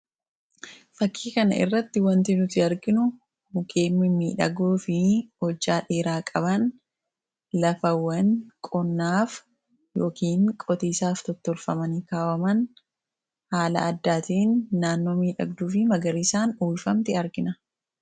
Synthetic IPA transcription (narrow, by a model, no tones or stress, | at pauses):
fɐkʰːiːkɐnɐ̰ʔɪ̰rːɐt̪ːɪwɐnt̪ɪnʊt̪ɪɐɾɡɪnʊ | hʊkeːmːɪmiːᶑɐɡuːfɪhɔd͡ʒːaːᶑeːɾaːkʼɐbɐn | lɐfɐwːɐŋkʼɔnːaːf | jo̞ːkiːŋkʼɔt̪iːsaːft̪ɔt̪ːɔlfɐmɐniːkaːwɐmɐn | haːlɐ̰ʔɐd̪ːaːt̪iːnːaːnːo̞ːmiːᶑɐ̰ɡ̚d̪uːfɪmɐɡɐɾisaːnuːlfɐmt̪ɪɐɾɡɪnɐ